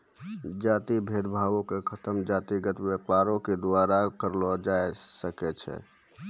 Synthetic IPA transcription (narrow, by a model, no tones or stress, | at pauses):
d͡ʒaːt̪ibʱeɾbʱaʋõkekʰət̪əmd͡ʒaːt̪iɡət̪bepaɾõked̪ʋaɾakəɾlɔd͡ʒaesəkɛt͡ʃʰɛ̰